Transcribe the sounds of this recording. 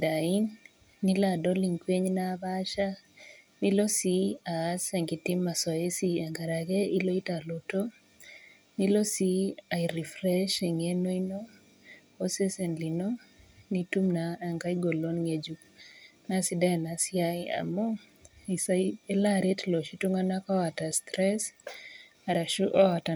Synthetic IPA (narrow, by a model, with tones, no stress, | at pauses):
da˨i˦nː | i˦ladɔ˦li˨ŋkwe˦ɲna˦ba˦ʃa˦ | ni˦lo˦si˦a˨sɛ˨ŋɡi˨ti˦mːa˨sɔ˨e˦si˦a˨ŋɡa˨ɾa˨ɡe˦i˦lo˦i˦ta˨lo˨to˦ | ni˦lo˦si˦a˨i˨ɾi˨fɾɛ˦ʃɛ˨ŋe˦no˦i˦no˦ | o˦sɛ˦sɛ˨nli˨no˦nitu˦mnaː˨ŋɡa˦jɡo˨lo˦nŋe˨d͡ʒu | na˦sida˦ɛ˨na˨sɪa˦a̰˨mɔ˦ | i˨sae˦laɾe˦tlo˨ʃi˦tu˦ŋa˦na˦kɔ˦wa˨ta˨stɾɛs | a˨ɾa˨uʔɔ˦a˨ta˨